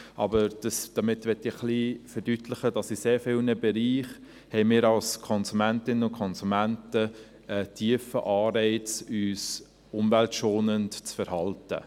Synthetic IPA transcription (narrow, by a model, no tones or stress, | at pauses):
ʔɑ̰bəɾd̥ɑsd̥ɑmɪtʋɛtːɪχlifəɾd̥ytʰlɪχəd̥ɑsɪseːɾfɪlnəbɛɾiːχ | hɛɪmɪːɾɑlskʰɔnsumæntɪnənʊnkʰɔnsumæntə | ətʰiəfə̰ʔɑːɾɛɪt͡syːs | ʊmvæltʃoːnəntt͡sfɛɾhɑltə̰